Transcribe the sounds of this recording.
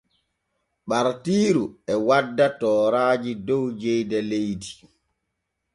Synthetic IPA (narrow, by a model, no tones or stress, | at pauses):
ɓaɾtiːɾuɛwadːatɔːɾaːd͡ʒidɔwd͡ʒɛjdɛlejdi